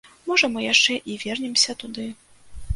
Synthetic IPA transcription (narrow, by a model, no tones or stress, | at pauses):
mɔʐɐmɨjaʂt͡ʂɛʔivʲɛrnʲɛmsʲɐt̪ud̪ɨ